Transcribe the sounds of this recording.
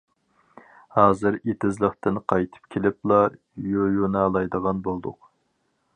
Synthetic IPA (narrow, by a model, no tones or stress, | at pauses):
hɑːzɨɾet̪ʰɪzlˠəχt̪ɨnqʰɑjt̪ʰɨ̥p̚kʲʰelɪp̚lˠɑ | jøjunɑlˠɑjd̪əʁɑnbolˠd̪ʊq